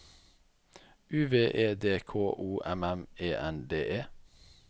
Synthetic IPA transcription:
ʔʉːʋeːʔeːd̪eːkʰoːʔuːʔɛmɛmeːʔɛnd̪eːʔeː

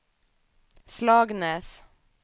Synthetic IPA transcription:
slɑːɡneːs

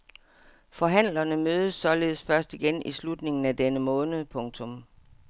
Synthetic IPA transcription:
fɒ̽ɦæn̰lɐnəmøːð̞ˠəsːɒ̽le̝ːð̩ˠsfɶɐsd̥iɡ̥enislud̥ne̝ŋn̩æd̥enəmɔ̽ːnəð̞ˠpʰɔ̽ŋt͡sʰɔ̽m

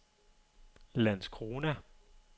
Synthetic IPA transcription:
læn̰skʰonæ

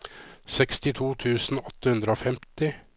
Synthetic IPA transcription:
sɛkst̪ɪt̪ʰuːt̪ʰʉːsn̩ɔt̪ːəhʉnd̪ɾəoːfɛmt̪ɪ

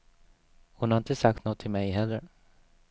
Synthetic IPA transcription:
hʊnhaɾɪnt̪əsak̚t̪noɡɔt̪ʰːɪlmɛjɦɛlːəɾ

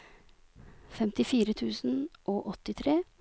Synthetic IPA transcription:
fɛmt̪ɪfiːɾət̪ʰʉːsn̩ʔoːʔɔt̪ːɪt̪ʰɾeː

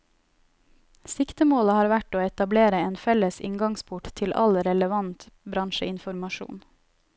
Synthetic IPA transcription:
sɪkt̪əmoːləhɑːɾʋæʈoːɛt̪ɑbleːɾəeːnfɛləsɪ̰ŋɡɑŋspʰʊʈt̪ʰɪlʔɑ̰lɾɛləʋɑnt̪bɾɑnʃəɪnfɔɾmɑʃṵːn

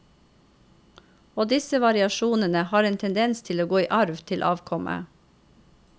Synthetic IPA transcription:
oːd̪ɪsəʋɑɾɪɑʃuːnənəhɑːɾeːnt̪ʰɛnd̪ɛnst̪ʰɪloːɡoːiːʔɑɾʋt̪ʰɪlʔɑ̰ːʋkʰɔmʔə̰

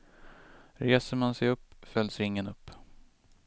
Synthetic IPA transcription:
ɾeːsəɾmansɛjɵpːfœld̪sɾɪŋːənɵpː

